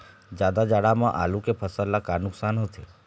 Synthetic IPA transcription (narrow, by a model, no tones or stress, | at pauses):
d͡ʒad̪ad͡ʒaɽamãʔa̰lũkepʰəsəlːakanʊksanɦət̪ʰe